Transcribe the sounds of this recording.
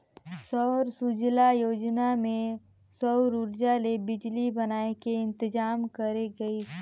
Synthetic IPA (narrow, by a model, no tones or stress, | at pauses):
sɔːɾsud͡ʒlajoːd͡ʒnamẽ | sɔɾuːɾd͡ʒalebɪd͡ʒlibɐnaːekeɪ̃nt̪ɪd͡ʒaːmkɐɾeɡɐi